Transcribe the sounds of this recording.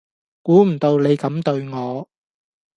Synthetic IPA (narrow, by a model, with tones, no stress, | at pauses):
kuː˨˥m̩˨˩t̪o˧wne˨˧jkɐ˨˥mt̪ɵ˧ɥŋɔː˨˧